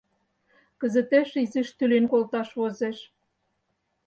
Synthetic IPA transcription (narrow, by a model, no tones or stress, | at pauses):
kə̆zə̆t̪æʃizĭʃt̪ylenkolt̪ɑʃβozeʃ